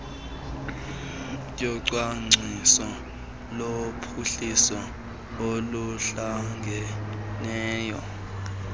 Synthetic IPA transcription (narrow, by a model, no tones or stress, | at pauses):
jɔǀwaŋ͡ǀʱisɔ | lopʰuɬisɔ | oluɬaŋɡʱɛnɛːjɔ